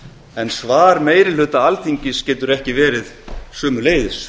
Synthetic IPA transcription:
ɛnsvaːɾmeːjɾɪlʏt̪aalt̪ʰiɲcɪscɛːt̪ʏɾɛhcɪvɛːɾɪð | sʏːmʏleːjðɪs

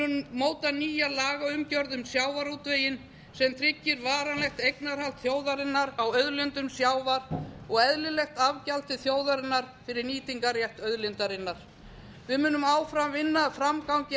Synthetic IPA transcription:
moːwt̪aniːjalaːɣaʏmcœɾðʏmsjaːwvaɾut̪veːjɪn | sɛmt̪ʰɾɪcːɪɾvaːɾanlɛxt̪ejknaɾ̥hal̥t̪θjoːwðaɾɪnːaɾawœðlʏnt̪ʏmsjaːwvaɾ̥ɔɣɛðlɪlɛxt̪avcalt̪ɪθjoːwðaɾɪnːaɾ̥fɪɾɪɾniːt̪iŋkaɾjɛht̪œðlɪnt̪aɾɪnːaɾ̥ | vɪðmʏːnʏmaːwfɾamvɪnːafɾamkawɲcɪ

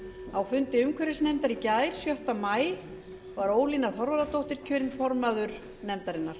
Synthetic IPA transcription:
awfʏnt̪ɪʏmkʰœɾɪsnɛmt̪aɾicaːjɾ̥sjœht̪amaːj | vaɾoːwliːnaθɔɾvaɾat̪ʰowht̪ɪɾ̥cʰœːɾɪnfɔɾmaðʏɾ̥ | nɛmt̪aɾɪnːaɾ̥

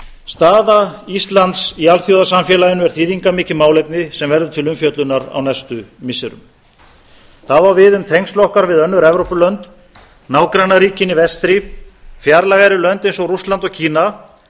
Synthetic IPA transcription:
st̪aːðaist̪lant̪sialθjowðasamfjɛlajɪnʏvɛɾ̥θiːðiŋkamɪːcɪmaːwlejp̚nɪsɛmvɛɾðʏt̪ʰɪlʏmfjœt̪lʏnːaɾa̰wnajst̪ʏmɪsɛɾʏ̰m | θaðvaɾvɪðʏmt̪ʰejŋslɔhkaɾvɪðœnːʏɾɛvɾowpʏlœnt̪ | naːwkɾanːaɾiːcɪnivɛst̪ɾɪfjaɾlaɣajɾɪlœnt̪ejnsɔɣrust̪lant̪ɔcʰiːna

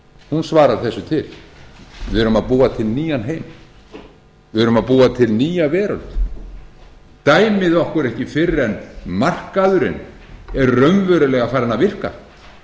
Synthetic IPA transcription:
hunsvaːɾaɾ̥θɛsːʏt̪ʰɪl | vɪʏɾʏmaðpuːat̪ʰɪlniːjanɦeːjm | vɪɾʏmaðpuːat̪ʰɪlniːjavɛːɾœlt̪ | t̪aːjmɪðɔhkʏɾɛhcɪfɪɾɛnmar̥kaðʏɾɪ̰n | ɛɾrœɥmvœɾʏlɛɣafaːɾɪnavɪr̥ka̰

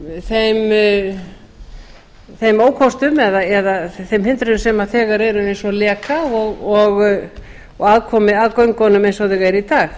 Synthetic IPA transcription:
θejm | θejmoːwkʰɔst̪ʏmɛðaɛðaθejmhɪnt̪ɾʏðʏmsɛmaθɛːɣaɾɛɾʏejnsɔlɛːkaɔɣɔɣ | ɔɣaðkʰɔːmɪaðkœɥŋkʰɔnʏmejnsɔðɪɣɛɾit̪aːx

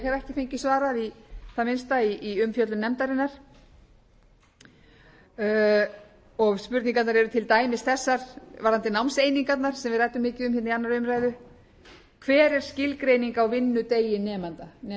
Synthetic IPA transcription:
hɛɾɛhcɪfejɲcɪsvaːɾaiθaðmɪnst̪aiiʏmfjœt̪lʏnɛmt̪aɾɪnːaɾ̥ | ɔɣspʏɾt̪niŋkat̪naɾɛɾʏt̪ʰɪlt̪aːjmɪst̪θɛsːaɾ̥vaɾant̪ɪnawmsejniŋkat̪naɾ̥sɛmvɪðrajt̪ʏmːɪːcɪʏmhɛt̪nianːaɾʏmɾaːjðʏ | kʰvɛːɾɛɾ̥scɪlkɾeːjniŋkawvɪnːʏt̪eːjɪnɛːmant̪anɛ

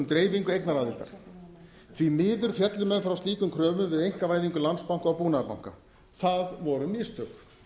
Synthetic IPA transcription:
mt̪ɾeːjviŋkʏejknaɾaːðɪl̥t̪a̰ɾ̥ | θvimɪːðʏɾ̥fjɛt̪lʏmɛnfɾawst̪iːkʏmkʰɾœːmʏmvɪðejŋ̥kavaːjðiŋkʏlanspawŋ̥kawpuːnaapawŋ̥ka̰ | θaðvɔɾʏmɪst̪ʏk

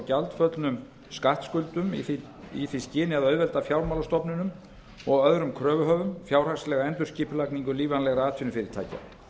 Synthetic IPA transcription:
calt̪fœt̪lnʏm | skaht̪skʏlt̪ʏm̰ | iθviscɪːnɪaðœɥðvɛlt̪afjawɾmalast̪ɔpnʏnʏm | ɔɣœðɾʏmkʰɾœːvʏɦœːvʏmfjawr̥aŋslɛɣaɛnt̪ʏɾ̥sciːpʏlakniŋkʏliːvanlɛɣaaːt̪ʰinʏfɪːɾɪɾ̥t̪ʰa̰ːjca̰

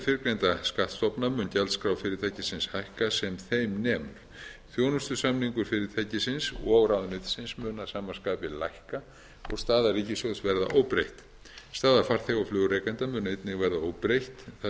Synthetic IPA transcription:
fɪɾkɾejnt̪askaht̪st̪ɔpnamʏncalskɾaːwfɪɾɪɾt̪ʰajcɪsɪnshajhkasɛmθejmnɛːmʏɾ̥θjoːwnʏst̪ʏsamniŋkʏɾfɪɾɪɾt̪ʰajcɪsɪnsɔɣɾawðnʏt̪sɪnsmʏnasaːmḁskaːpɪlajhka | ɔɣst̪aːðarɾiːcɪsosvɛɾða̰ʔowpɾejht̪ | st̪aːðafar̥θeɣaflʏːɣɾejkajnt̪amʏnejt̪nɪɣvɛɾðaowpɾejht̪θ

